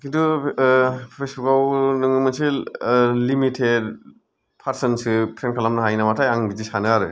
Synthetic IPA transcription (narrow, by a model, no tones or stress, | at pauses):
kintu | pʰpʰesukawnɯŋɯmɯnsi | limitʰed | pʰaɾsɐnsɯpʰɾenkʰalamnɐɦajnamatʰajaŋɡidisanɯaɾɯ